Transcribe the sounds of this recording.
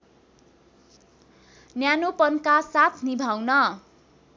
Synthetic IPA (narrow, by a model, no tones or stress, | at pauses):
njanopʌnkasat̪ʰnibʱawnʌ